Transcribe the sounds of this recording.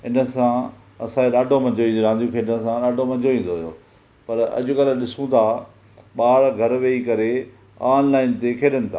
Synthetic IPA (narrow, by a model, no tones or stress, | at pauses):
ɪnə̆sã | ɐ̰sãeɗaːɖʱomɐ̃ɲd͡ʑoĩːɾãːnd̪ijũkʰeːɖəsãɗaːɖʱomɐ̃ɲd͡ʑoʋĩːnd̪oɦjo̰ː | pɐɾɐ̰ʄʊ̆kɐləɗɪsũt̪ʰaː | ɓaːɾɡʱɐɾʋeːikɐɾe | aːnlaːɪnt̪ekʰeːɗənɪ̆t̪ʰa̰ː